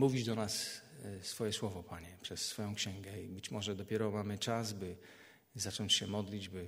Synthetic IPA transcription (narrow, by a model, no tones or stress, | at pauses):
muvʲid͡ʑd̪ɔnassfɔjɛswɔvɔpʰaɲɛpʂɛsːfɔjɔ̃w̃kɕɛ̃ŋɡɛibɘt͡ɕmɔʐɛd̪ɔpʲjɛɾɔmamɘt͡ʂazbɘ | zat͡ʂɔɲt͡ɕɕɛmɔd̪lʲid͡ʑbɘ